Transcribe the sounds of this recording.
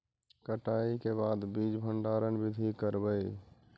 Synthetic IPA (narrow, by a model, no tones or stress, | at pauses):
kəʈaːikebaːd̪biːd͡ʒbʱəɳɖaːɾənbɪd̪ʱikəɾbəi